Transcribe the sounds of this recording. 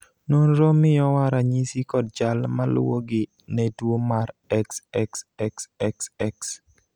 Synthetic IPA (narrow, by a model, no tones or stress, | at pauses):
nonɾomɪjɔwaɾaɲisikɔd̚d͡ʒalmal̰wo̰ɡɪ | nɛdwomaɾɛksɛksɛksɛksɛks